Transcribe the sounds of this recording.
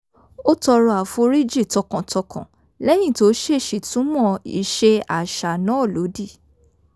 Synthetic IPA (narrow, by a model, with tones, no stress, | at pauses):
o˦tɔ˧ɾɔ˧a˨fo˧ɾi˦d͡ʒi˦˨tɔ˧kã˨tʰɔ˧kã̰˨ | lɛ˦j̃ĩ˦˨to˨˦ʃe˦˨ʃi˨tũ˦mɔ̃˦˨ḭ˧˨ʃe˧a˨ʃa˨nã˨˦˨lo˨˦di˦˨